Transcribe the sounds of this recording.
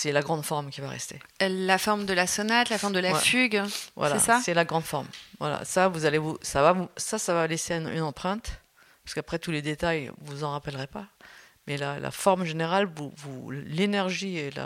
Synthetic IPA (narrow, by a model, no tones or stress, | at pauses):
sɛlaɡʁɑ̃d̪fɔʁmkʲivaʁɛ̰st̪ḛlafɔʁmd̪əlasɔnat̪lafɔʁmd̪əlawɛ̰fyɡvwa̰slaɛsasɛlaɡʁɑ̃d̪fɔʁmvwa̰la̰savuzalevusavavusasavaleseɛny̰nɑ̃pχɛ̃t̪ | paʁskapχɛt̪uled̪et̪ajvuzɑ̃ʁapɛlʁɛpamɛlala̰fɔʁmʒeneʁalvuvulenɛʁʒiela̰